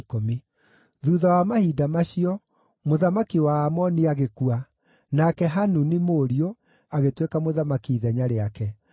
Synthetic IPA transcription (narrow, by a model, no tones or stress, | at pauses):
komi | ðuːðawamahiːdamaɕiɔ | moðamakiwaːmɔniaɣekua | nakɛɦanunimoːɾio | aɣetwekamoðamakiːðɛɲaɾeakɛ